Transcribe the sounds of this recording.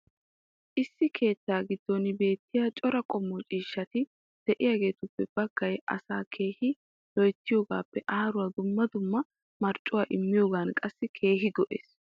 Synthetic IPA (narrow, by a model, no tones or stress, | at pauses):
ʔɪsːɪkʰe̞ːt̪ːaːɡɪd̪ːɔnbe̞ːt̪ːɪjaːt͡ʃʼɔɾɐkʼɔmːɔt͡ʃʼiːʃːɐt̪ɪ | d̪̥ɛʔɪjaːɡe̞ːt̪ʊpːɛb̥ɐɡ̥ːɐjʔɐ̰saːkʰe̞ːhɪ | lɔjt̪ːɪjo̞ːɡa̰ːpːɛʔaːɐɾʊwaːd̪ʊmːɐd̪ʊmːɐ | mɐɾt͡ʃʼːʊwaːʔɪmːɪjoːɡaːnkʼɐsːɪkʰe̞ːɦɪɡɔʔḛːs